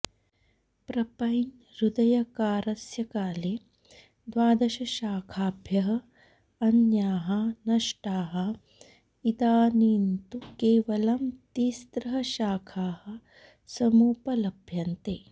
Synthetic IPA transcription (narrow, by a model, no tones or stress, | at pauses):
pɾɐpɐjn | ɾud̪ɐjɐkaːɾɐsjɐkaːleː | d̪ʋaːd̪ɐʃɐʃaːkʰaːbʱjɐɦɐ̆ | ɐnjaːɦɐnɐʂʈaːɦɐ | id̪aːniːnt̪ukeːʋɐlɐmt̪iːst̪ɾɐɦɐʃaːkʰaːhɐ̆ | sɐmuːpɐlɐbʱjɐnt̪eː